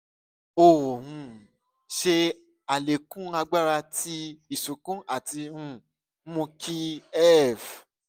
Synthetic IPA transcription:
o˨hũ˧ | ʃe˧ | a˨le˨kũ˦a˧ɡ͡ba˦ɾa˧ti˧i˦˨su˨kũ˦a˦˨ti˧ũ˦ | mũ˧kʰi˦ɛ˦˨f

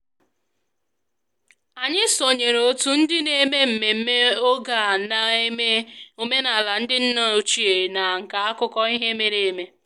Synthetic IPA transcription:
a˨ɲɪ˦so˨ɲe˨ɾo˨˦tu˦n̩˦dɪ˦ne˨˦me˦m̩˨me˨m̩˦me˦o˦ɡa˨na˨e˦me˦o˨me˦na˨la˨n̩˦dɪ˦n̩˦no˦˨o˨t͡ʃi˦˨e˨na˨ŋ̩˨ka˨a˦kʊ˦kɔ˦i˦ɦe˦me˦ɾe˨e˨me˦

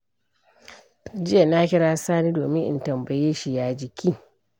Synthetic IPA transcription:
d͡ʒɪ˦ja˨na˦kʲɪ˦ɽaː˦saː˦niː˦doː˨mɪ˦ŋʔɪ̰˨ntɐ˨mbɐ˨jeː˦ʃi˨jaː˦d͡ʒɪ˨kʲʰiː˦

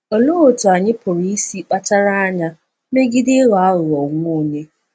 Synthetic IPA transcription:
o˨lo˦o˨tʊ˨a˨ɲɪ˦pʰʊ˨ɾi˦i˦si˦k͡pa˦ta˦ɾa˦a˦ɲa˦ | me˦ɡɪ˦dɪ˦ɣɔ˨a˦ɣʊ˨ɔ˨ŋʷo˦˨ne˦

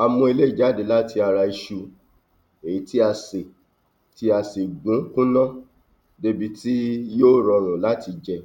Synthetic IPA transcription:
a˧mɔ̃˧i˧le˦i˦˨d͡ʒa˨˦de˨la˦ti˧a˧ɾa˧i˧ʃu˧ | e˨i˨˦ti˦a˧se˨ | ti˧˦a˧se˨ɡ͡bũ˨˦kũ˦nã˦ | de˦bi˧˦ti˦joː˦˨ɾɔ˨˧ɾ̃ũ˨la˦ti˧d͡ʒɛ˧

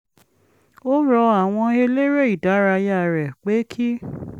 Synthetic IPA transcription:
o˦ɾɔ˧a˦˨w̃ɔ̃˧e˧le˦ɾe˦˨i˨da˨˦ɾa˧ja˦˨ɾɛ˨k͡pe˨˦kʰi˦

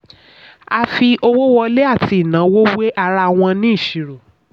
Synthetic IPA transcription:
a˧fi˧ʔo˧wo˦wɔ˧le˦a˦˨tʰi˧i˨nã˨˦wo˦we˦ʔa˧ɾa˧˨w̃ɔ̃˧nĩ˦i˦˨ʃi˨ɾo˨

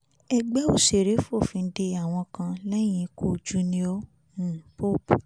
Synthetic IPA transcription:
ɛ˧ɡ͡bɛ˦o˦˨ʃe˨ɾe˨˦fo˦˨fĩ˧n̩˦de˧a˨w̃ɔ̃˧kã˧lɛ˦j̃ĩ˧˦ko˦˨d͡ʒu˦nĩ˦ɔ̃˦˨ | po˦p

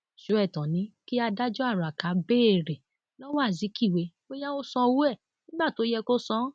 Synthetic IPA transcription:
ʃo˨˦ɛ˦˨tɔ̃˨nĩ˨˦ki˦a˧da˦d͡ʒɔ˦a˦˨ɾa˨ka˨˦beː˦e˦˨ɾe˨ | lɔ˦wɔ˦a˦˨zi˨˦ki˦˨we˨˦ | o˦ja˦o˦sɔ̃˧wu˦ɛ˦˨ | nĩ˦ba˦˨to˨˦jɛ˧ko˦sɔ̃˦

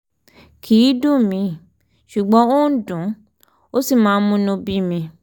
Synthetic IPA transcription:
kʰi˨˦dũ˦mĩ˧ | ʃu˨ɡ͡bɔ̃˧˦o˦n̩˦dũ˨˦ | o˦si˦˨mãː˨˦˧mũ˦nũ˧bi˦mĩ˧

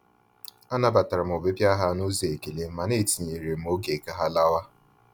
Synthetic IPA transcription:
a˦na˦ba˨ta˨ɾa˨m̩˨ʊ˨bɪ˦bja˦ɦa˦nu˦ze˨e˨ke˨le˦ma˨ne˦˨ti˨ɲe˨ɾe˨m̩˨o˦ɡe˨ka˦ɦa˦la˦wa˦

